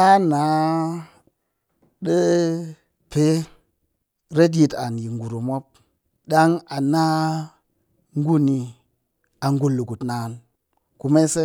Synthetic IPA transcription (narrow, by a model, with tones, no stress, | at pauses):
a˦na˨˦ | ɗə˦ | pe˦ | ɾe˦t̬ji˨ta˨nji˨ŋɡu˨ɾu˨mo˦p̚ | ɗa˦ŋa˨na˦ | ŋ˦ɡu˦ni˨ | a˨ŋɡu˦lːu˨ku˨tnaː˨n | ku˨me˦se˦